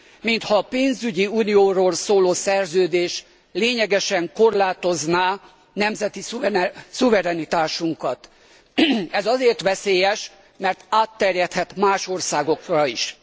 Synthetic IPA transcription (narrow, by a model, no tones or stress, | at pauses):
mint̪hɒːpeːnzyɟiuːnijoːɾoːlsoːloːsɛrzøːd̪eːʃ | leːɲɛɡɛʃɛŋko̞rlaːt̪o̞znaː | nɛmzɛt̪issuvɛɾɛnit̪aːʃuŋkɒt̪ | ɛzɒzeːrt̪ʋɛseːjɛʃ | mɛrt̪aːt̪ːɛrjɛt̪hɛt̪maːʃo̞rsaːɡo̞krɒiʃ